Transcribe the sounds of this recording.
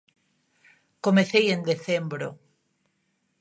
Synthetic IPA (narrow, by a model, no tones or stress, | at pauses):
komeθejend̪eθembɾo̰